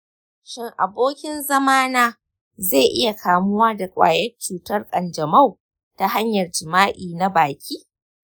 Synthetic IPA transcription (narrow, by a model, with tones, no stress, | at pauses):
ʃɪ˦ŋʔa˨boː˦kʲɪ˦nzɐ˦maː˦naː˦ | ze˦˨ʔɪ˦ja˨kʰaː˨mʊ˦waː˦da˨kʷʼa̰ː˨jɐ˦rt͡ʃuː˨tɐ˦rkʼɐ˨nd͡ʒɐ˨ma˦˨w | ta˨ɦa˦ɲjɐ˨rd͡ʒɪ˨maː˦ʔiː˨na˦baː˨kʲiː˦